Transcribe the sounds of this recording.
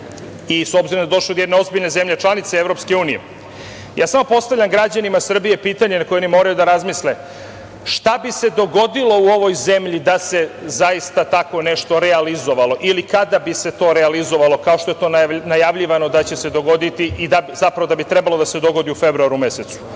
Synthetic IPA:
isobziɾomd̪ad̪o̞ʃlod̪oed̪neo̞zbiʎne̞ze̞mʎet͡ʃlanit̪seevɾo̞pske̞uːnijḛ | ja̰ːsamo̞po̞st̪aʋlʎʲamɡɾad͡ʑanimasr̩bije̞piːt̪aɲenakojonimo̞ɾajud̪aɾazmisle | ʃt̪abise̞d̪o̞ɡo̞d̪ilˠo̞uo̞ʋo̞jze̞mʎid̪ase̞zaist̪at̪ako̞ne̞ʃt̪o̞ɾealizo̞ʋalˠo̞ʔilikad̪abise̞t̪o̞ːɾealizo̞ʋalˠo̞kao̞ʃt̪oe̞t̪o̞nnajaʋʎiʋano̞d̪at͡ɕe̞se̞d̪o̞ɡo̞d̪it̪iʔid̪abzapɾaʋo̞d̪abit̪ɾebalˠo̞d̪ase̞d̪o̞ɡo̞d̪iufe̞bɾuaɾume̞set̪su̥

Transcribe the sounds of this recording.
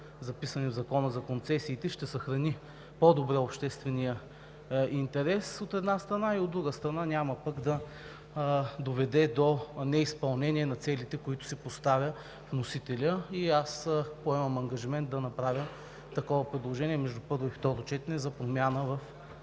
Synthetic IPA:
zɐpisɐnɛvzɐkɔnəzɐkont̪sɛsiːt̪ɛʃt̪ɛsɐxɾɐni | pod̪obɾɛopʃt̪ɛst̪vɛnijə | int̪ɛɾɛsot̪ɛd̪nast̪ɾɐnaiod̪ːɾuɡəst̪ɾɐnanʲaməpɐɡd̪ɐ | d̪ovɛd̪ɛd̪onɛispɐlˠnɛniɛnɐt̪sɛlit̪ɛkoit̪ʊ̥sɛpost̪avʲjə | fnosit̪ɛlʲəiaspoɛmɐmɐŋɡɐʒimɛnt̪̚d̪ɐnɐpɾavʲjəm | t̪ɐkɔvɐpɾɛd̪lˠoʒɛniɛmɛʒd̪upɤɾvoift̪ɔɾot͡ʃɛt̪ɛnɛzɐpɾomʲjanəvɐf

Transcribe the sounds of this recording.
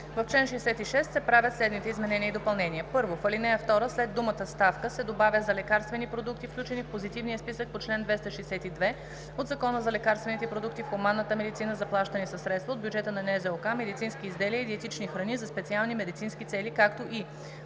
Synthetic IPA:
vɐft͡ʃlɛnʃɛjsɛt̪iʃɛst̪sɛpɾavʲjət̪slɛd̪nit̪ɛizmɛnɛniəid̪opɐlˠnɛnʲiəpɤɾvofəlinɛjəft̪ɔɾəslɛd̪ːumət̪əst̪afkəsɛd̪obavʲəzɐlɛkaɾst̪vɛnipɾod̪uk̚t̪ifklʲut͡ʃɛnifpozit̪ivnijəspisək̚pot͡ʃlɛnd̪vɛst̪ɐʃɛjsɛt̪id̪vɛ | od̪zɐkɔnəzɐlɛkaɾst̪vɛnit̪ɛpɾod̪uk̚t̪ifxomanːət̪əmɛd̪it̪inəzɐplˠaʃt̪ənisɐsːɾɛt̪st̪vɐod̪bjud͡ʒɛt̪ənɐnɛzɛokamɛd̪it̪sinskiːzd̪ɛliəid̪iɛt̪it͡ʃnixɾɐnizɐspɛt̪sialˠnimɛd̪it̪sinskit̪sɛlikakt̪oʔi

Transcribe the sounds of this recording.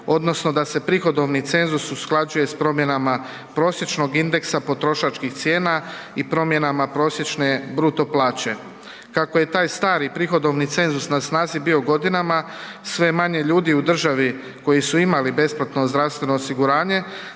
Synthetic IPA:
o̞d̪no̞sno̞d̪ase̞pɾixo̞d̪o̞ʋnit̪se̞nzususklˠad͡ʑuje̞spɾo̞mje̞nama | pɾo̞ːsje̞t͡ʃno̞ɡind̪e̞ksapo̞t̪ɾo̞ʃat͡ʃkixt̪sje̞ːnaipɾo̞mje̞namapɾo̞ːsje̞t͡ʃne̞bɾut̪o̞plˠaːt͡ɕe̞ | kakoje̞t̪aːjst̪aːɾipɾixo̞d̪o̞ʋnit̪se̞nzusnasnaːzibio̞ɡo̞d̪inamasʋe̞maɲe̞ʎuːd̪iud̪r̩ʒaʋi | ko̞jisuimalibe̞splˠat̪no̞zd̪ɾaʋst̪ʋe̞no̞ːsiɡuɾaːɲe̞

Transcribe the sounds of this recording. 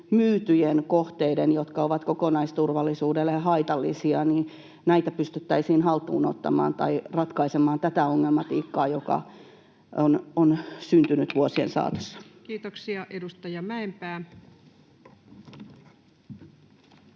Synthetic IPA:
myːt̪yjenkoht̪eidenjot̪kɑoʋɑt̪kokonɑist̪urʋɑlːisuːdelːeɑhɑit̪ɑlːḭsiɑniː | næit̪æpyst̪yt̪ːæisiːnhɑlt̪uːno̰t̪ːɑ̰mɑ̰ːnt̪ɑirɑt̪kɑisemɑːnt̪æt̪æoŋːelmɑt̪iːkːɑːjokɑ̰ | ʔononsynt̪ynyt̪ʋuosiḛnsɑ̰ːt̪o̥sːɑ̥kiːt̪oksiɑʔedust̪ɑjɑmæempæː

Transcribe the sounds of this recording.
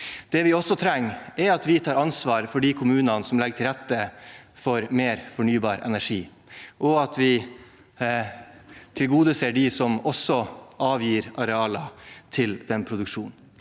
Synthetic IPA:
d̪̥ɛʋɪɔsːɔt̪ʰɾɛŋːæɾɑt̪ʋɪt̪ʰɑːɾɑnsʋɑːɾfɔɖiːkʰʊmʉːnɑnəsɔmlɛɡʈʰɪlɾɛt̪ːəfɔɾmeːɾfɔɳyːbɑːɾɛ̰næʂiː | ʔɔɑt̪ʰʋɪ | t̪ʰɪlɡuːd̪əseːɖɪsɔmɔsɔʔɑːʋjiːɾɑɾɛɑːlɑt̪ʰɪld̪ɛnpʰɾʊd̪ʉkʂuːnn̩

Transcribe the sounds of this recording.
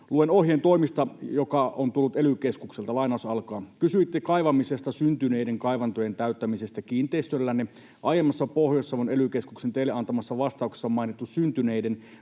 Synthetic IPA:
luenohjent̪o̞imist̪ɑjokɑʔont̪ulːut̪elykeskukselt̪ɑlɑinɑˑusɑlkɑːkysyit̪ːekɑiʋɑmisest̪ɑsynt̪yneideŋkɑiʋɑnt̪ojent̪æyt̪ːæmisest̪ækiːnt̪eist̪ølːænːe | ʔɑjemːɑsːɑpohjosːɑʋonelykeskuksent̪eileɑnt̪ɑmɑsːɑʋɑst̪ɑˑukse̥sːɑmɑinit̪ːussynt̪yneiden

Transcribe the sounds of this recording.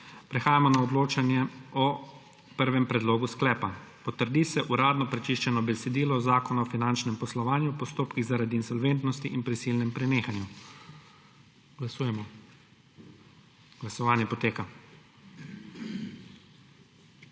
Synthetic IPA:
pɾɛxaːjamɔnaɔd̪loːt͡ʃanjɛɔ | pəɾʋɛmpɾɛd̪loːɡusklɛːpapɔt̪əɾd̪isɛʔuɾaːd̪nɔpɾɛt͡ʃiʃt͡ʃɛnɔbɛsɛd̪iːlɔzaːkɔnaɔfinant͡ʃnɛmpɔslɔʋaːnjupɔst̪oːpkiɣzaɾaːd̪iːnsɔlʋeːnt̪nɔst̪iʔinpɾisiːlnɛmpɾɛneːxanju | ɡ̥lasuːjɛmɔ | ɡ̥lasɔʋaːnjɛpɔt̪eːka

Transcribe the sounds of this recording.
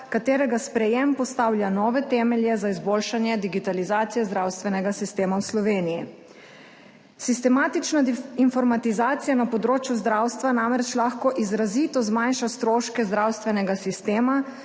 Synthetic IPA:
kat̪eːɾɛɡaspɾɛjempɔst̪aːwljanɔːʋɛt̪ɛːmɛljɛzaizboːlʃanjɛd̪iɡit̪alizaːt̪sijɛzd̪ɾawst̪ʋɛnɛɡasist̪eːmawslɔʋeːniji | sist̪ɛmaːt̪it͡ʃnainfɔɾmat̪izaːt̪sijanapɔd̪ɾoːt͡ʃjuzd̪ɾawst̪ʋanamɾɛt͡ʃlaxkɔʔizɾazit̪ɔzmanʃast̪ɾoːʃkɛzd̪ɾawst̪ʋɛnɛɡasist̪eːma

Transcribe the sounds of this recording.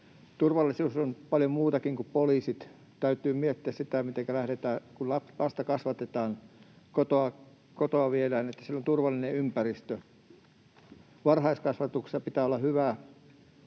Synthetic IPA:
t̪urʋɑlːˑisuːsonpɑljomuːt̪ɑkiŋkuppoliːsit̪ | t̪æyt̪yːmiet̪ːiæssit̪æmit̪eŋkælæhɾet̪æːkullɑlɑst̪ɑkɑsʋɑt̪et̪ɑːn | kot̪oɑ | kot̪oɑʋielæːnet̪ːæ̥sielont̪urʋɑlːˑineympærist̪ø | ʋɑrhɑiskɑsʋɑt̪uksisɑpit̪æːolːɑhyʋæ

